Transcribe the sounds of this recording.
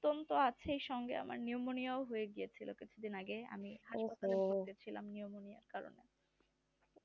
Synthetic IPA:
t̪ːont̪oat͡ɕʰeejʃɔŋɡḛa̰ma̰ɾniomoniaoɦoeɡijet͡ɕʰilokit͡ɕʰud̪inaɡea̰miɦaʃpat̪aleoet͡ɕʰilamniomonija̰ɾkaɾo̰nḛ

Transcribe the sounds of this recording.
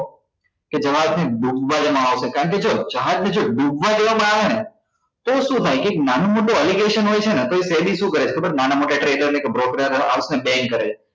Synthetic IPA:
ked͡ʒəʋadneɖũɡʱʋãd͡ʒemãaʋsekaɾəɳk̬ed͡ʒod͡ʒaɦãd͡ʒ̪ned͡ʒoɖũɡʋãd͡ʒeʋamãaʋene | t̪oʃũt̪ʰajkeːk̚nanõmoʈuəliɡeʃənɦojt͡ʃʰenat̪oisebiʃũkəɾet͡ʃʰekʰbənanamoʈaʈɾeləɾnekebɾokɾeɾa̰ʋsnebɛ̃ŋɡkːəɾet͡ʃe

